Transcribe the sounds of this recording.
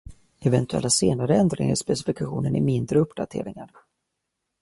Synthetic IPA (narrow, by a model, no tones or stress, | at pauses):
ɛvɛnt̪ɵɛ̰lːaseːnaɾəɛnd̪ɾɪ̰ŋa̰ɾspɛs̬ɪfɪkaɧuːnənæ̰ɾmɪnd̪ɾəɵpːd̪at̪ʰḛːɾɪŋaɾ